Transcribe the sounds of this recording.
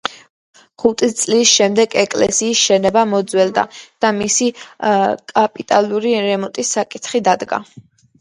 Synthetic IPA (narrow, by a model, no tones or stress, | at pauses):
χut̪ʼist̪sʼlisʃɛmd̪ɛɡɛkʼlɛ̰siːsʃɛnɛbamɔd̪zwɛld̪a̰d̪̥amisi | kʼapʼit̪ʼaluɾiɾɛmɔt̪ʼisːakʼit̪ʰχid̪ad̪ɡa̰